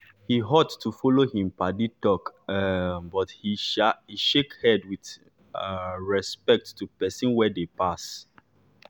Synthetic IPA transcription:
hiɦɔtːufɔlohĩmpaditɔk | bɔthihiʃekhɛdwiθ | ɹɛspɛk̚tːupɛsĩnwɛdepas

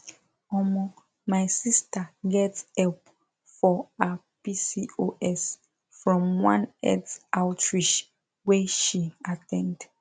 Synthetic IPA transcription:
ɔmɔ | majsistəɡɛtsɛp | fɔa | pisioʔɛs | fɹɔ̃mwãnɛ̰dsaʊtʰɹiʃ | wɛʃiatʰɛ̃nd

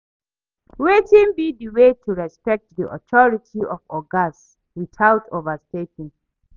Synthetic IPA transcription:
wetĩnbidiwetʰuɹɛspɛk̚t̚dḭʔɔ̰tʰɔɹitʰiɔfɔɡas | wiθaʊtʰovəstetĩŋ

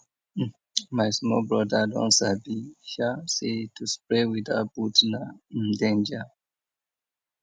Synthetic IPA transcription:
maɪsmɔbɹɔdədɔ̰̃nsabiʃasetʰuspɹewidabutnaĩndẽnd͡ʒə

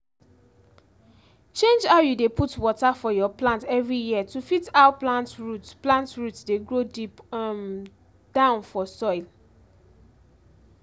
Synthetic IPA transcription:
t͡ʃẽnd͡ʒaʊjudepʰutwɔtafɔjɔplãntɛvɹijiətufitaʊplãntɹutplãntɹutdeɡɹodipm | d̥ãʊ̃nfɔsɔɪl

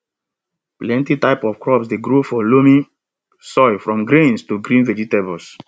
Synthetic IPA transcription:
plɛ̃ntitaɪpɔfkɹɔpsdeɡɾofɔlomĩ | sɔɪfɹɔ̃mɡɾĩnstuɡɾĩnvɛd͡ʒitebɔls

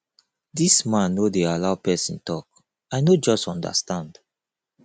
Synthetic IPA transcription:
dismãnːodealaʊpɛsḭ̃ntɔk̚ | aɪnod͡ʒɔstɔ̃ndə̰stãnd̥

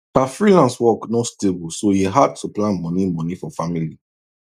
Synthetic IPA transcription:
hafɹilãnswɔknɔstebulsojiɦad̚tuplãnmɔ̃nimɔ̃nifɔfamili

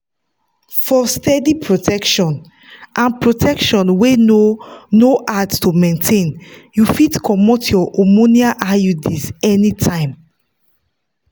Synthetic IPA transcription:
fɔstɛdipʰɹotʰɛkʃɔ̃n | ʔãnpɹotʰɛkʃɔ̃nwenonoʔadtumẽntʰẽnjufitkʰɔmotʰjɔʔɔmoniaʔajudisɛnitʰãɪ̃m

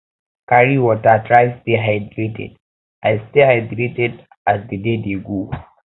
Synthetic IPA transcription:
kaɾiwɔtatɾajsteɦajdɾetɛ̰d | ʔajstehajdɾetɛd | asd̪ədedeɡo

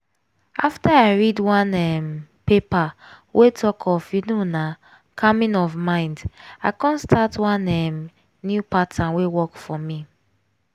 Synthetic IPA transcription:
aftaaɪɹidwãnɛmpepawʔetʰɔkʰɔfjunona | kʰamĩnɔvmãɪ̃ndaɪkãnstatwãnɛm | njupatʰãnwewɔkfɔmi

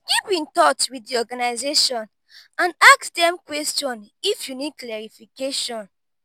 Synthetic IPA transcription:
ɡ̥ipĩntɔtwiddiɔɡanaɪzeʃɔ̃n | ãnaksdɛ̃mkwɛstɔ̃nifjuniklɛɹifikeʃɔ̃n

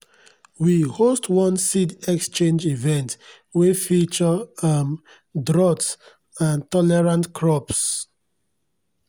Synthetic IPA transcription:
wihostwɔ̃nsidɛkst͡ʃẽnd͡ʒivɛ̃nt | wefit͡ʃɔam | dɾɔt | ãntɔlɛɹãntkʰɹɔps

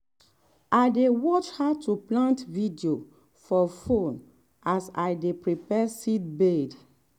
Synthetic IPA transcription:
ajdewɔt͡ʃhatʰuplãntvidio | fɔfõn | asajdepɹipɛsit̚bed

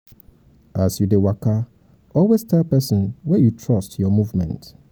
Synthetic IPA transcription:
asjudɪwakʰa | ɔlwestʰɛlpɛsɔ̃nwɛjutʰɹɔstjɔmũvmɛ̰̃nt

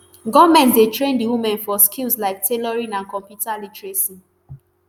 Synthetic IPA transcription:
ɡɔmɛ̃ntdetɹẽndiwumɛ̃nfɔskilslaɪk̚tʰelɔɹĩnãnkɔ̃mpjutalitɹesĩn

